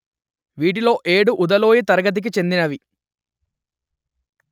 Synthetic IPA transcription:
ʋiːʈ̬ilo̞ːʔe̞ːɽuʔud̪ɐloːjit̪ɐɾɐɡɐt̪̬ik̬it͡ʃe̞nd̪inɐʋi

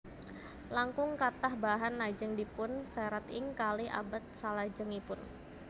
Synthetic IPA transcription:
laŋkʊŋkat̪ahbaɦanːad͡ʒəŋdipʊnsaɾat̪ɪŋkalɪʔa̰bat̪̚salad͡ʒəŋipʊn

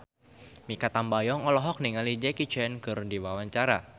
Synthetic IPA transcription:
mikat̪ambajɔŋɔlɔɦɔk̚niŋalid͡ʒɛkit͡ʃɛnkɨrdiwawaɲt͡ʃaɾa̰

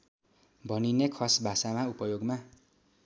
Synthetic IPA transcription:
bʱʌninekʰʌsbʱasamaupʌjoɡma

